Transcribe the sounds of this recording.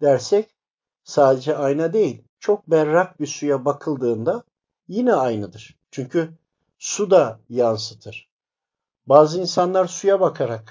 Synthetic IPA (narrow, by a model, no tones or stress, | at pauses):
d̪̥æɾsɛc | saːd̪ed͡ʒɛajnad̪e̞jilʲt͡ʃʰo̞k̚bæɾːak̚bisujabakʰɯlˠd̪ɯːnd̪a | jinɛajnɯd̪ɯɾ̥ | t͡ʃʰyɲcʰy | sud̪ajansɯt̪ʰɯɾ̥ | baːzɯinsanlˠaɾsujabakʰaɾak